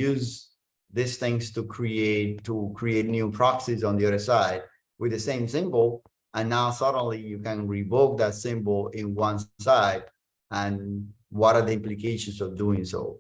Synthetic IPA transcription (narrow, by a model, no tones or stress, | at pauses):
jʉz | ðɪsθɪ̃ŋstukʰɹieɪtʰːukʰɹieɪtnjupʰɹ̥ɑssiz̃n̩ðiʌðə˞saɪd̚ | wɨðɨsẽɪ̃msɪ̃mbl̩ˠ | ə̃nːaʊsʌɾ̃n̩lijɨkɨ̃nɹiboʊk̚ðɨtsɪ̃mbl̩ˠɪ̃nwʌ̃nsaɪd | ə̃nwʌɾə˞ðiɪ̃mplikʰeɪʃɨ̃n̩sʌvduɪ̃ŋso̰ʊ